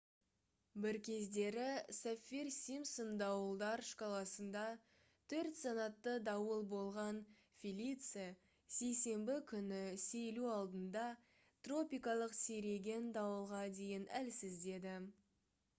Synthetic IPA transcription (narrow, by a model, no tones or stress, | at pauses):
bɪɾkʲʰe̞zd̪e̞ɾɪsafʲirsʲimsond̪ɑwəlˠd̪ɑɾʃkʰɑlˠɑsənd̪ɑ | t̪ʰɵɾt̪sɑnɑt̪ːəd̪ɑwəlˠbo̞lˠʁɑn | fʲilʲit̪sɨ | se̞jse̞mbɪkʲʰʏnɪse̞jluɑlˠd̪ənd̪ɑ | t̪ro̞pʲijkɑlˠəqseɾe̞ɡʲe̞nd̪ɑwəlˠʁɑd̪e̞jɪnælsɪzd̪e̞d̪ɪ